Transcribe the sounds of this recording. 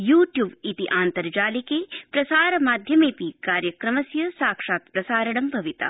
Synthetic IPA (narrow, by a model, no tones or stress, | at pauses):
juːʈjuːbit̪iʔaːnt̪ɐɾd͡ʒaːlikeːpɾɐsaːɾɐmaːd̪ʱjɐmeːpikaːɾjɐkɾɐmɐsjɐsaːkʂaːt̪pɾɐsaːɾɐɽɐmbʱɐʋit̪a̰